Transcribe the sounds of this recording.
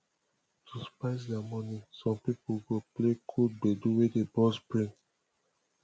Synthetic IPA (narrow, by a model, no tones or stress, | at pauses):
tʰuspaɪs̬dɛamɔnisɔ̃mpipoɡoplekʰud̚beduwedebɔsbɹĩn